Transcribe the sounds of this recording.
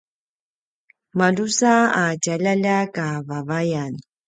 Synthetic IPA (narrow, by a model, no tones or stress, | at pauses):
madusaacaʎaʎakavavajan